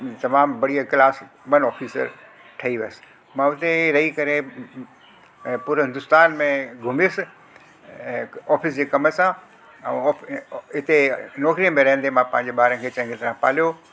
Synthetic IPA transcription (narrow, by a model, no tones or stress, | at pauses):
t̪ɐmaːmbɐɽijaklaːs | mɐnɔːfiːsə̰ɾ | ʈʰɐiʋɐsɪ̥ | mãʊt̪eɾɐɦikɐɾe | puːɾɦɪnd̪ʊst̪aːnmẽɡʱʊmesɪ | ɔːfɪsd͡ʑeːkɐmə̆sã | ɛ̃ːɪt̪enɔːkɾiə̃mẽɾɐɦə̃nd̪emãpɐ̃ɦɪ̃ɲd͡ʑeɓaːɾə̃nkʰeːt͡ɕɐ̃ŋɡɪt̪ɐɾãpa̰ːlijo